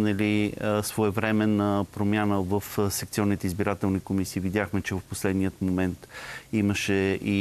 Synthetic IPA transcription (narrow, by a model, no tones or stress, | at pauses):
nɐliəsvoɛvɾɛmɛnəpɾomjanəvəfsɛkt̪siɔnːit̪ɛizbiɾat̪ɛlˠnikomisiːvid̪ʲjaxmɛt͡ʃɛvəfposlɛd̪niət̪momɛnt̪iməʃɛi